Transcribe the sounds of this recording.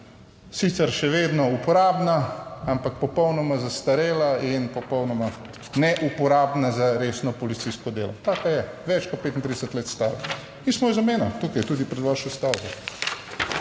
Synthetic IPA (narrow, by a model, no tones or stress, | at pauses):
sit̪sɛɾʃɛʋeːd̪nɔupɔɾaːbnaampak̚pɔpɔwnɔmazast̪aɾeːlainpɔpɔwnɔma | nɛʔupɔɾaːbnazaɾesnɔpɔlit̪iskɔd̪eːlɔt̪aːkajɛʋɛt͡ʃkɔt̪̚peːt̪int̪ɾid̪ɛsət̪leːt̪st̪aːɾa | mismɔjzameːnɔt̪uːkajt̪uːd̪ipɾɛd̪ʋaːʃɔst̪awɡɔ